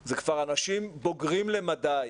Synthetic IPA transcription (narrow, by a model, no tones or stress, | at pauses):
zekv̥aʁanaʃimbo̞ɡʁimle̞mad̪aj